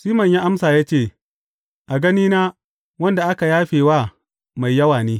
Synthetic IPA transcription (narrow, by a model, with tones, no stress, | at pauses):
siː˦mɐ˨ɲji˦ʔa˦msaː˨jaː˦t͡ʃeː˦˨ | ʔa˨ɡɐ˦niː˦naː˦ | wɐ˦nda˨ʔa˦ka˨jaː˦ɸeː˨waː˦˨ | ma˨jjɐ˦waː˨neː˦